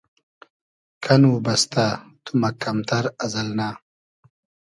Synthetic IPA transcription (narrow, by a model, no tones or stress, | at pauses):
kʰɐnubɐst̪at̪umɐkɐmt̪ʰɐɾɐzɐlna